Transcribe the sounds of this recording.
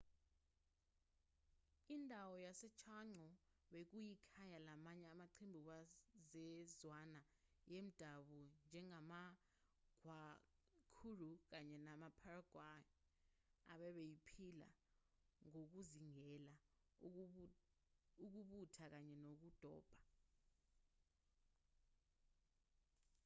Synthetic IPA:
indʱawɔjasɛt͡ʃʰaŋ͡ǀɔ | ɓek̬ujikʰajalamaɲɛamaǃʰembʱikazɛzwana | jem̩d̥ʱaɓund͡ʒʱɛŋama | ɡ̥ʱwa | kʰuruk̬aɲɛnamapʰaraɡ̥ʱwaj | a̰ɓɛɓejipʰila̰ | ŋok̬uziŋɛla | uk̬uɓutʰak̬aɲɛnok̬ud̥ʱɔ̰ːb̥ʱḁ

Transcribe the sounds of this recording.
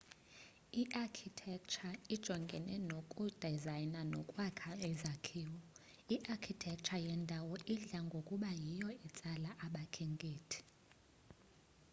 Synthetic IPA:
iʔakʰitʰɛk̚ʼt͡ʃʰaid̥ʒ̥ʱɔŋɡʱɛnɛnokʼud̥ʱazajnanɔkʼwakʰaɛzakʰiːwɔ | iʔakʰitʰɛk̚t͡ʃʰajɛndʱawɔʔiɮaŋɡʱokʼuɓajijɔɛt͡sʼalaʔaɓakʰeŋɡʼeːtʰi̥

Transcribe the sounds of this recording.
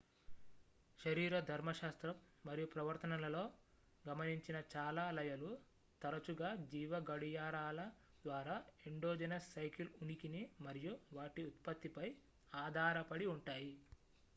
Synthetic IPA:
ʃɐɾiːɾɐd̪ʱɐɾmɐʃaːst̪ɾɐmːɐɾijupɾɐʋɐɾt̪ɐnɐlɐlo̞ː | ɡɐmɐniɲt͡ʃinɐt͡ʃaːlaːlɐjɐlu | t̪ɐɾɐt͡ʃuɡaːd͡ʒiːʋɐɡɐɽujaːɾaːlɐ | d̪ʋaːɾaːeɳɖoːd͡ʒɐnɐsːɐjkilunikinimɐɾijuʋaːʈiut̪pɐt̪ːipɐj | aːd̪ʱaːɾɐpɐɽiuɳʈaːji

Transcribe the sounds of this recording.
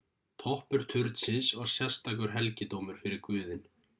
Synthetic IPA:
t̪ʰɔhpʏɾ̥t̪ʰʏɾt̪sɪsɔɣsjɛst̪ak̬ʏɾ̥ɦɛlcɪt̪oːwmʏɾ̥fɪɾɪɾkvʏːðɪn

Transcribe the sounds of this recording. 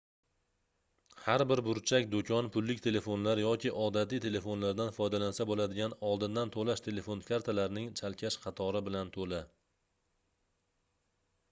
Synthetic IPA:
haɾbɪɾbʊɾt͡ʃʰakʲd̪okʰʲɒnpʰʊlːɪk̚ʲt̪ʰe̞le̞fo̞nlaɾjɒkʲɪʔɒd̪at̪ɪt̪ʰe̞le̞fo̞nlaɾd̪anfɒjd̪alansabolad̪ɪɡʲanɒlˠd̪ɪnd̪ant̪ʰolaʃt̪ʰe̞le̞fo̞nkʲʰaɾt̪ʰalaɾnɪŋt͡ʃʰalkʲʰaʃqʰɑt̪ʰɒɾɪbɪlant̪ʰolɪ

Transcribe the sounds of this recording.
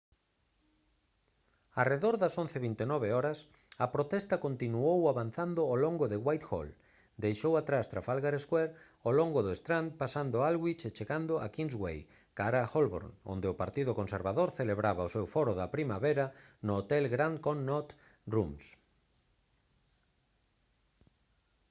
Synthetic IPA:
areðoɾðɐsõn̟θeβint̪enɔβeɔɾɐs | ɐpɾot̪ɛst̪ɐkont̪inuowaβan̟θand̪ʊoloŋɡʊðɪɣwajt̪xo̰l | d̪ejʃowat̪ɾast̪ɾafalɣaɾeskwɛɾ | oloŋɡʊðʊest̪ɾand̪̚pasand̪ʊalɣwit͡ʃet͡ʃeɣand̪ʊakinzɣwḛj | kaɾaxolβo̰ɾno̰nd̪eʊpaɾt̪iðʊkonseɾβaðoɾθeleβɾaβaosewfɔɾʊðɐpɾimaβeɾɐnʊːt̪ɛlɣɾand̪konːɔt̪ | rums

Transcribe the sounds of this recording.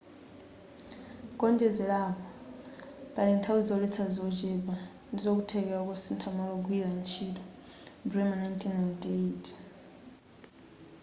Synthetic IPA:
kʼɔnd͡ʒɛd͡zɛlapʰɔ | pʼalɛntʰawizɔlit͡sʰazɔd͡ʒɛba | nizok̬utʰɛk̬ɛɔk̬ʼɔsintʰamɔlɔɡ̬wizant͡ʃʰitɔ | brɛmanajntʼʰinajntʼetʰʼ

